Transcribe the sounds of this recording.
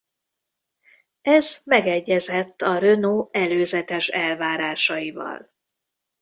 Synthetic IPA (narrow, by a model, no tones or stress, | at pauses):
ɛzmɛɡɛɟːɛzɛt̪ːɒɾønoːɛløːzɛt̪ɛʃɛlvaːɾaːʃɒjivɒ̰l